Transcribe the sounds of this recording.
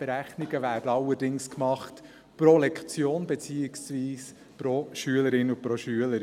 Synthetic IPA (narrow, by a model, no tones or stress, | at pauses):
b̥eɾæχnɪɡəvæːɾdəɑwəɾdɪŋskmɑχt | pɾolɛkt͡sjoːnbet͡siːɪksviːs | pɾoʃyələɾɪnupɾoʃyələɾ